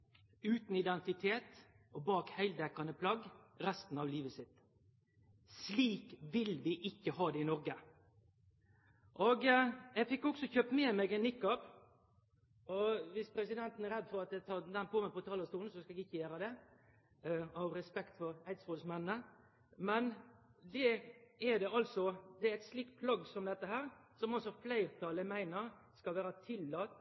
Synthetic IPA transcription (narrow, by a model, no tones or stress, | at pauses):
ʉːt̪n̩ɪd̪ɛnt̪ɪt̪ʰeːt̪ | ɔbɑːkhæɪld̪ɛkːɑnəpʰlɑɡɾæst̪n̩ɑʋliːʋəsɪt̪ | sliːkʋɪlʋɪʔɪkːəɦɑːd̪ɛɪnɔɾɡə | ʔɔɡjɛɡfɪkːɔksɔçøːp̪meːmɛɡɛnːɪkːɑp | ɔʋɪspʰɾɛsɪd̪ɛnt̪n̩æɾɛd̪ːfɔɾɑt̪̚d̪ɛt̪ʰɑd̪ɛnpʰoːməpʰɔt̪ʰɑːləɾst̪uːln̩sɔskɑɛɡɪçːəjæːɾəd̪ɛ | ɑʋɾɛspɛkt̪fɔɾæɪt̪sʋoːlsmɛnːnə | mɛnd̪ɛɛd̪ɛɑlsɔd̪ɛæɾɛt̪sliːk̚t̪̚pʰlɑɡsɔmd̪ɛt̪ːəɦæːɾsɔmɑsɔflæɪɾt̪ʰɑləmæɪnəɾ | skɑlʋæːɾət̪ʰɪlːɑːt̪